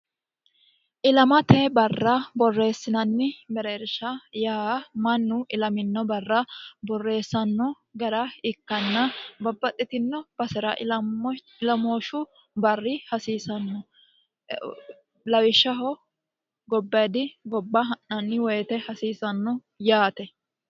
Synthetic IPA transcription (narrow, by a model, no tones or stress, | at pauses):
ʔɪlɐmɐt̪ɛbɐrːɐbɔrːe̞ːsːɪnɐnːɪbɛɾeːɾʃɐjamɐnːʊʔɪlɐmɪnːɔbɐrːɐbɔrːe̞ːsːɐnːɔ | ɡɐɾɐɪkːɐnːɐbɐbːɐt̪ʼːɪt̪ɪnːɔb̥ɐsɪɾɐ | ɪlɐmoːʃʊ | bɐrːɪhɐsiːsɐnːɔ | lɐwɪʃːɐɦɔ | ɡɔbːɐjd̪ɪɡɔbːɐɦɐnːɐnːɪwɔjɛt̪ɛhɐsiːsɐnːɔ | jaːt̪ɛ